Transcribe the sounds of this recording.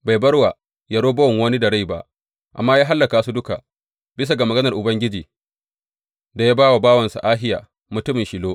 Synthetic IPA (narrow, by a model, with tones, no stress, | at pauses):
ba˨jbɐ˦rwa˨ | ja˨ɽoː˦bɐ˦wŋwɐ˦ni˦da˨ɽa˦jba̰˦ʔ | ʔa̰˨mːaː˦jaː˦ɦa˦lːɐ˨kaː˨˦su˦dʊ˦ka˨ | bɪ˦s̬a˨ɡa˨mɐ˨ɡɐ˦nɐ˨rʔʊ˨bɐ˦ŋɡʲɪ˦d͡ʒiː˨ | da˨ja˦baː˦wa˨baː˦wɐ˨nsa̰˨ʔaː˦ɦɪ˦ja̰ː˨ | mʊ˨tʊ˦mɪ˨nʃi˨loː˦ʔ